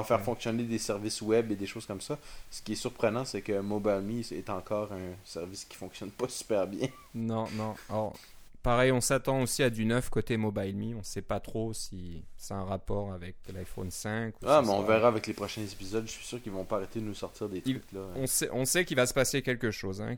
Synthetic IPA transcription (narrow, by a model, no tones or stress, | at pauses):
fɛːʁfɔ̃ksjɔned̪esɛʁviswɛbed̪eʃoːz̥kɔmsasə̥kʲiɛsyʁpχənɑ̃sɛkəmɔbalmiɛt̪ɑ̃kɔːʁɛ̃sɛʁviskʲi̥fɔ̃ksjɔnpasy̥pɛʁbjɛ̃ | nɔ̃nɔ̃ɔʁ | paʁɛjɔ̃sat̪ɑ̃osiad̪ynœfkot̪emɔbajlmiɔ̃sɛpat̪χosisɛt̪ɛ̃ʁapɔːʁavɛklajfo̰nsɛ̃kuamɛɔ̃vɛʁaavɛklepχɔʃɛ̃zepizɔd̪ʒəsɥi̥syːʁkilvɔ̃paaʁet̪ed̪ənusɔʁt̪iʁd̪et̪yklaɔ̃sɛʔɔ̃sɛkʲilvasə̥pasekʲɛlkəʃoːzɛ̰̃